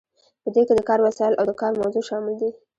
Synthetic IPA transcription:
pəd̪eked̪əkɑɾwasɑjɪlʔawd̪əkɑɾmawzuʃɑmɪld̪i

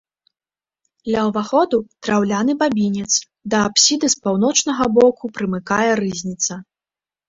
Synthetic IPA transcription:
d̪lʲɐwvaxɔd̪ut̪ɾawlʲanɨbabʲinʲɛt̪s | d̪ɐːpsʲid̪ɨspawn̪ɔt͡ʂnɐɣɐbɔkupɾɨmɨkajɛɾɨzʲnʲit̪sɐ

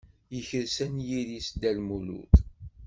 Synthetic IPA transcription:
jəçəɾsænjiðisd̪ælmulṵθ

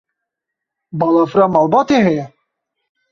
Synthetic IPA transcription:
bɑlˠɑfɾɑmɑːlˠbɑːt̪eɦɛjɛ

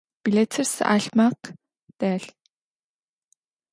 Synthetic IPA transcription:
piɮet͡sʰersa̰ɮʲmaq | t̪æːɮ

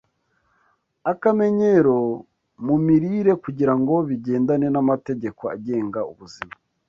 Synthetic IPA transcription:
akame̞ɲe̞ɾo̞ | mumiɾiːɾe̞kuɟiɾaŋɡo̞βiɟe̞ːndane̞namate̞ɟe̞ko̞a̰ɟe̞ːŋɡaṵβuzima

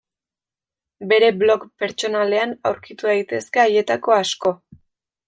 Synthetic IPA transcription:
be̞ɾe̞blo̞kpe̞ɾt͡ʃo̞nale̞anawɾkit̪uðajt̪e̞ske̞aje̞t̪ako̞asko̞

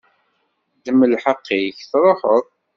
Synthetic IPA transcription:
d̪əmːəlħəqːiçθɾˤoħəðˤ

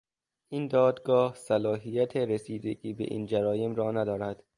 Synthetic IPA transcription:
ʔiːnd̪ɒːd̪ɡɒːhsælɒːɦijæt̪ʰeɾesiːd̪eɡiːbḛʔḭːnd͡ʒæɾɒːjemɾɒːnæd̪ɒːɾæd̪̥

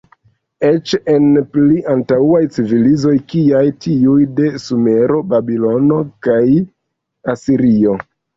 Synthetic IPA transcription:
e̞t͡ʃe̞npliʔantawajt͡sivilizo̞jkiajtiujde̞sume̞ɾo̞babilo̞no̞kaj | asiɾio̞

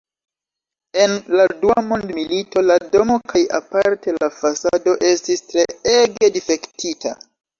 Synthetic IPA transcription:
e̞nladuamondmilito̞lado̞mo̞kʰajapaɾte̞lafasado̞ʔe̞stistɾe̞eɡe̞dife̞ktitʰa̰

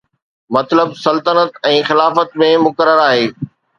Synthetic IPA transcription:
mɐt̪ləbsɐlt̪ənət̪ɛ̃ːxɪlaːfət̪mẽmʊkəɾəɾaːɦeː

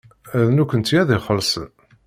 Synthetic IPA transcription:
æðnukənt̪jæðiχəlsə̰n

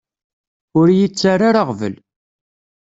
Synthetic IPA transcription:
ʊɾjit͡sːaɾaɾaʁvə̰l

